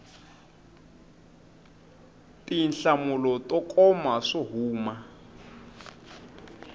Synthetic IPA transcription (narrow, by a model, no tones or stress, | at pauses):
tinɬamulɔtɔkʼɔmaʂɔɦuːma